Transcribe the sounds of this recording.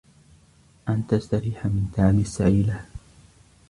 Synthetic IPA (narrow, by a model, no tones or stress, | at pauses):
ʔant̪ast̪aɾiːħamɪnt̪aʕlɪsːaʕiːla